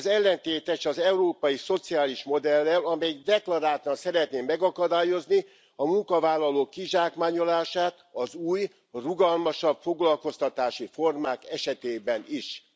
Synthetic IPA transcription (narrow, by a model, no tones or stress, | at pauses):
zɛlːɛnt̪eːt̪ɛʃɒzɛuɾoːpɒjiso̞t̪siaːliʃmo̞d̪ɛlːɛlɒmɛjd̪ɛklɒɾaːt̪ɒnsɛɾɛt̪neːmɛɡɒkɒd̪aːjo̞zni | ɒmuŋkɒvaːlːɒloːkːiʒaːkmaːɲo̞laːʃaːt̪ɒzuːj | ruɡɒlmɒʃɒbfo̞ɡlɒlko̞st̪ɒt̪aːʃifo̞rmaːkɛʃɛt̪eːbɛniʃ